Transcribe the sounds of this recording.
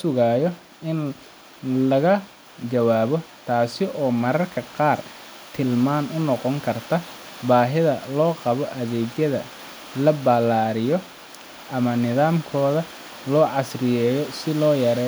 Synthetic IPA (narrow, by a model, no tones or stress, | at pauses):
ʊsʊɣaːjɔ | ɪn | lɐɣɐ | t͡ʃɐwaːβɔt̪ʰaːsɪʔɔːmɐɾɐrkʰɐqɑːr | t̪ʰɪlmaːnʊnɔqɔŋkʰɐrt̪ʰɐ | baːɦɪðɐ̰lɔːqɑβɔʔɐðɛːɡjɐðɐ̰ | lɐbɐlaːɾɪjɔ | ʔɐmɐnɪðaːmkʰɔːðɐ | lɔːʕɑsrɪjɛːjɔsɪlɔːjɐɾɛː